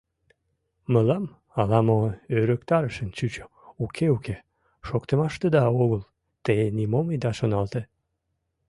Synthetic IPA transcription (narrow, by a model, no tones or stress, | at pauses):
məlɑm | ɑlɑmoøɾəkt̪ɑɾəʃənt͡ɕyt͡ɕo | ukʰeuke | ʃokt̪əmɑʃt̪əd̪ɑoɣəl | t̪enimoməjd̪ɑʃonɑlt̪e